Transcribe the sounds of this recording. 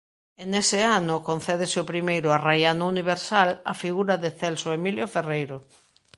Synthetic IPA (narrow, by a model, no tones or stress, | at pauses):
enesɪanʊkon̟θɛðesɪʊpɾimejɾʊarajanʊuniβ̞eɾsalafiɣuɾaðeθɛlsoemiljoferejɾʊ